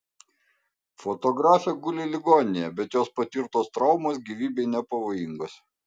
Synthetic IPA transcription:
fɔt̪oɡɾɑːfʲɛɡʊlʲɪlʲɪɡoːnʲejɛbʲɛt̪joːspɐt̪ʲɪɾt̪oːst̪ɾɐʊmoːsɡʲiːʋʲiːbʲɛɪnʲɛpɐʋoːjɪŋɡoːs

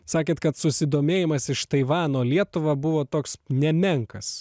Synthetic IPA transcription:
sɑːkʲeːt̪kɐt̪sʊsʲɪd̪oːmʲeːjɪmɐsɪʃt̪ɐɪʋɑːnoːlʲiɛt̪ʊʋɐbʊʋoːt̪oːksnʲɛmʲɛŋkɐs

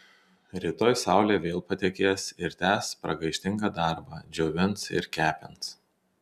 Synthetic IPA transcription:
ɾʲit̪oːjsɑˑʊlʲeːʋʲeːlˠpɐt̪ʲɛkʲeːsɪɾt̪ʲæːspɾɐɡɐɪʃʲt̪ʲɪŋɡɑːd̪ɑˑɾbɑd͡ʒʲɛʊʋʲɪnsɪ̰ɾkʲæːpʲɛns

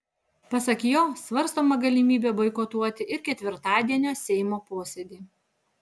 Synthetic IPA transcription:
pɐsɐkjoːsʋɐɾst̪oːmɐɡɐlʲɪmʲiːbʲɛbɐɪkot̪uɔt̪ʲɪʔɪɾkʲɛt̪ʲʋʲɪɾt̪ɑːd̪ʲiɛnʲoːsʲɛɪmoːpoːsʲɛd̪ʲiː

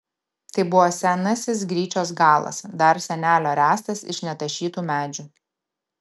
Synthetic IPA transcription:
t̪ɐɪbʊʋoːsʲænɐsʲɪs̬ɡɾʲiːt͡ʃʲoːs̬ɡɑːlˠɐ̰sd̪ɐɾsʲɛnʲæːlʲoːɾʲæːst̪ɐsɪ̰ʃnʲɛt̪ɐʃʲiːt̪uːmʲæːd͡ʒʲʊ

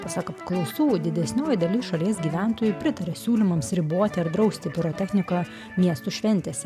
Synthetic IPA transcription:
pɐsɐkɐpklˠɐʊsuːd̪ʲɪd̪ʲɛsʲnʲoːjɪd̪ɐlʲɪsʃɐlʲiɛsɡʲiːʋʲæˑnt̪oːjʊpʲɾʲɪt̪ɐɾʲɛsʲuːlʲɪmɐmsɾʲɪboːt̪ʲɪɐɾd̪ɾɐʊsʲt̪ʲɪpʲɪɾoːt̪ʲɛxʲnʲɪkɐ | mʲiɛst̪uʃʲʋʲɛnʲt̪ʲɛːsʲ

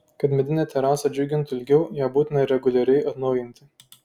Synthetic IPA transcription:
kɐt̪mʲɛd̪ʲɪnʲɛt̪ʲɛɾɑːsɐd͡ʒʲʊɡʲɪnt̪ʊɪlʲɡʲɛʊjæːbuːt̪ʲɪnɐɪɾʲɛɡʊlʲɛɾʲɛɪʔɐt̪nɒʊjɪnʲt̪ʲɪ

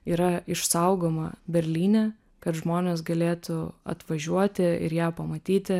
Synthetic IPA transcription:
iːɾɐɪʃsɐʊɡoːmɐbʲɛɾʲlʲiːnʲɛ | kɐt̪ʒmoːnʲeːs̬ɡɐlʲeːt̪ʊɐ̰t̪ʋɐʒʲuɔt̪ʲɪɪ̰ɾjæːpɐmɐt̪ʲiːt̪ʲɪ

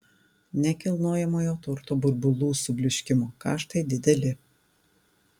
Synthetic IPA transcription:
nʲɛkʲɪlˠnoːjɛmoːjoːt̪ʊɾt̪obʊɾbʊlˠuːsʊbʲlʲɪʃʲkʲɪmoːkɑ̰ːʃt̪ɐɪd̪ʲɪd̪ʲɛlʲɪ

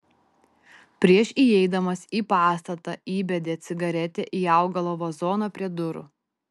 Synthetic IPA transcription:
pʲɾʲiɛʃʲiɛɪd̪ɐmɐsiːpɑːst̪ɐt̪ɐ̰iːbʲɛd̪ʲeːt̪sʲɪɡɐɾʲɛt̪ʲɛʔiːɑˑʊɡɐlˠoːʋoːzɔːnɐpʲɾʲiɛd̪ʊɾʊ̰

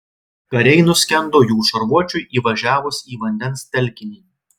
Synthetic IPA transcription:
kɐɾʲɛɪnʊsʲkʲɛnˑd̪oːjuːʃɐɾʋuɔt͡ʃʲʊɪʔiːʋɐʒʲæːʋʊsiːʋɐnʲd̪ʲɛnst̪ʲɛlʲkʲɪnʲiː

